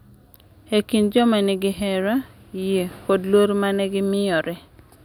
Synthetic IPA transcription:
hekind͡ʒɔmanɛɡɪɦɛɾa | jekodloɾmanɛɡɪmɪjɔɾɛ

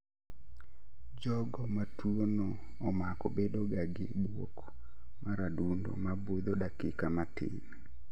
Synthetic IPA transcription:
d͡ʒɔɡɔmatwonoː | makɔbedoɡaɡɪbwok | maɾadundo̰mabod̪oɗakɪkamatɪ̰n

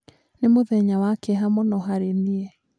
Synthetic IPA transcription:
nemoðɛɲawakɛɦamɔnɔɦaɾeniɛ

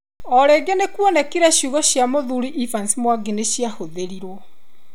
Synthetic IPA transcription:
ɔɾeɡenekwɔnɛkiɾɛɕjuɣɔɕjamoðuɾiʔifansimwaɡineɕiahoðeɾiɾwɔ

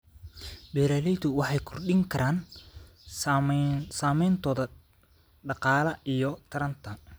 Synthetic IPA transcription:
bɛːɾalɛjt̪ʊwɑħɑjkʰɔrɖɪŋkʰɐɾʔaːn | saːmɛjnt̪ʰɔːðɐ | ɖɑqɑːlɐijɔt̪ʰɐɾɐnt̪ʰɐ

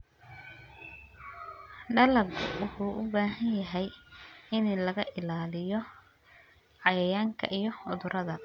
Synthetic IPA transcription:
ɖɐlɐbʔʊhuːʔʊbaːɦɐnjɐɦɛjɪnlɐɣɐʔɪlaːlɪjɔ | ʕɑjɐjaːŋkʰɐ̰ʔijɔʊðʊɾʔɐðɐ

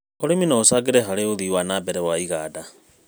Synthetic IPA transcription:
oɾeminɔosaɡeɾɛɦaɾeoðiːwanabɛɾɛwaiɣaːda

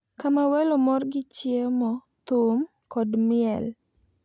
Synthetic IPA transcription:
kamawɛlomɔrɡɪt͡ʃjemɔ | t̪ʊm | kɔdmɪɛl

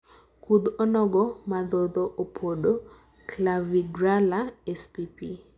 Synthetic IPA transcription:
kud̪onɔɡɔmad̪od̪oʔopʰoɗo | klaviɡɾalaɛspipi

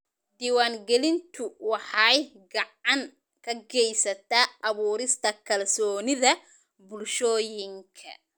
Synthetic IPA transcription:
d̪iːwaːŋɡɛlɪnt̪ʰʊwɑħɑj | ɡɑʕɑŋ | kʰɐɡɛjsɐt̪ʰaːʔɐβuːɾɪst̪ʰɐkʰɐlsɔːnɪðɐ | bʊlʃɔːjɪŋkʰɐ̰

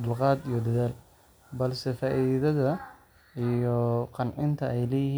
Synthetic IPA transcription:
d̪ʊlqɑːd̪ijɞd̪ɐðaːl | bɐlsɛfaːʔiːððɐðɐ | ijɔqɑnʕɪnt̪ʰɐɛjlɛːjɪhiː

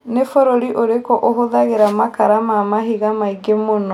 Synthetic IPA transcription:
nefɔɾoɾiʔoɾekɔʔoɦoðaɣeɾamakaɾamamaɦiɣamaiɡemonɔ

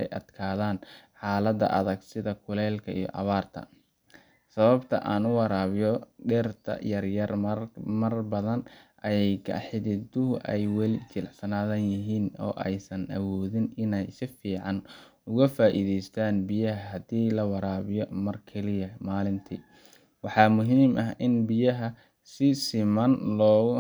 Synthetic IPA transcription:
ɛ̰jʔɐ̰d̪̥kʰaːðaːnħaːlɐd̪ɐ̰ʔɐðɐɡsɪðɐkʰʊlɛːlkʰɐḭjɔ̰ʔɐ̰βaːrt̪ʰɐ̰ | sɐβɐbt̪ʰɐ̰ʔaːnʊwɑɾaːβɪjɔɖɛrt̪ʰɐ̰jɐrjɐrmɐrbɐðɐnʔɐjɛjkʰɐ̰ħɪðɪd̪ʊɦʊʔɛjwɛlɪt͡ʃɪlʕsɐnaːðɐnjɪɦiːnɔ̰ːʔɛ̰jsɐnʔɐ̰wɔːðɪnɪnɛjsɪfiːʕɑn | ʊɣɐfaːʔḭːðɛjst̪ʰaːnbɪjɐɦɐɦɐd̪iːlɐwɑɾaːβɪjɔmɐrkʰɛlɪjɐmaːlɪnt̪ʰiː | wɑħɑːmʊɦiːmʔɐɦɪnbɪjɐɦɐ | sɪsɪmɐnlɔː

